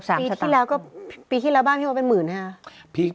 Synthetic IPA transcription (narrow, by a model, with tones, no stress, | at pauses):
saː˨˦m˧sa˧t̪aː˥˧˥lɛː˦˥wkɔː˥˩piː˧iː˥˩lɛː˧˥wbaː˥˩˨pʰiː˧˥˩pe˧nmɯː˨˩na˧˩pʰiː˧